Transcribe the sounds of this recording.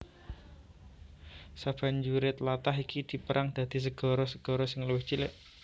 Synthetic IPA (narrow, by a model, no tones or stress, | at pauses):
sab̥aɲd͡ʒuɾɪt̪lat̪aɦikid̪̥i̤pəɾʔaŋd̪̥a̤d̪̥i̤s̬əɡ̥ɔ̤ɾɔsəɡ̥ɔ̤ɾɔsɪŋluwɪht͡ʃilɪʔ